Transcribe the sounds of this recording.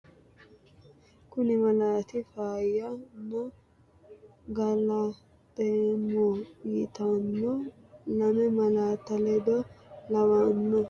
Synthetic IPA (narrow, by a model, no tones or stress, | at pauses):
kʊnɪmɐlaːt̪ɪfaːjamːɔ | ɡɐla | t̪ʼemojɪt̪ɐnːo | lɐmɛmɐlaːt̪ːɐlɛd̪ɔlɐwanːɔ